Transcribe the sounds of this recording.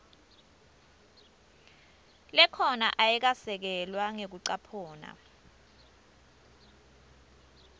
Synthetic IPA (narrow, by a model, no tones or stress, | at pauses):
lɛkʰɔnaʔajɛk̬asɛk̬ɛlwaŋek̬uǀapʰɔːna̰